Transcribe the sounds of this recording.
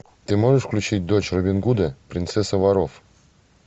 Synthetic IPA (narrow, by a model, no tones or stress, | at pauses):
t̪ɨmoʐəʂfklʲut͡ɕit̚ʲd̪ot͡ɕrobʲɪnɡud̪əpɾʲint̪sɛsəvaɾof